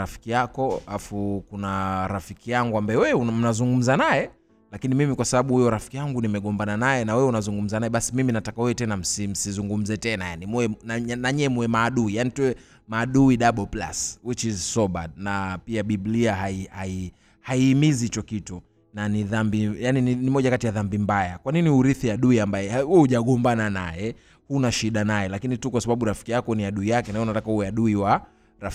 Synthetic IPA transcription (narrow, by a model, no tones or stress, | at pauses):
ɾafi̥kijakɔafukunaɾafikijaŋɡuambaɛwɛum̩nazuŋɡum̩zanajɛ | lakinimimikwasaɓaɓuhujɔɾafi̥kijaŋɡunimɛɠɔmbananajɛnawɛunazuŋɡum̩zanajɛɓasimiminatakaɛɛtɛnam̩sim̩sizuŋɡum̩zɛtɛnaja̰nimuɛnanaɲɛɛmuɛmaːɗuijanituwɛ | maːɗuiɗaɓɔpla̰swit͡ʃizsɔɓad̚napiaɓibliaɦaihai | haiːmizihit͡ʃɔkitu | naniðambijanininimɔʄakatijaðambimbajakwaniniuɾiθiaɗuiambajɛahuɛhuʄaɠɔmbananajɛ | hunaʃiɗanajɛlakinitukwasaɓaɓuɾafi̥kijakɔniaɗuijakɛnaɛunatakahuwɛaɗuiwa | ɾaf